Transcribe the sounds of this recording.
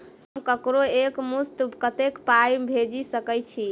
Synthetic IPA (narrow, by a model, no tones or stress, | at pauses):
ɦəmkəkɾoekmust̪kət̪ekpajbʱed͡ʒisəkəjt͡ʃʰi